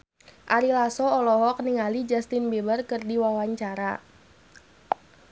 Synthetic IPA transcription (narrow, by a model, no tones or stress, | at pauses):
ʔaɾilasɔːlɔɦɔk̚niŋalid͡ʒast̪inbebərkɨrdiwawaɲt͡ʃaɾa